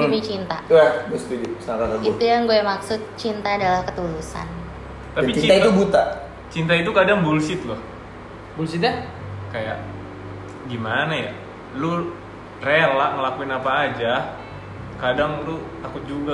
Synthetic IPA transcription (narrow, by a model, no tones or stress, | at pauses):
mit͡ʃint̪auwabust̪idisaɾaɾait̪ujaŋɡuɛmaksʊt̪̚t͡ʃint̪aːdalahkət̪ulusa̰n | t̪apiiait̪ubut̪a | t͡ʃint̪̬ait̪̬ukadaŋbulsɪt̪̚lʊh | bulsit̪akaja̰ʔ | ɡimanaja | lʊ | relaʔŋəlakuɪnapaːd͡ʒa | kadaŋlʊt̪akʊt̪̚d͡ʒuɡa